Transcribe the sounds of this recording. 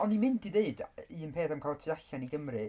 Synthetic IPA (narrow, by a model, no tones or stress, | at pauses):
ɔnːimɪntiðeɨdiənpʰeːθamkʰalˠtʰiaɬaniɡəmrɨ